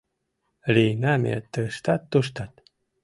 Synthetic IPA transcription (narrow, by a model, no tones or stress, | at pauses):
lijnamʲḛt̪əʃt̪at̪ːuʃt̪at̪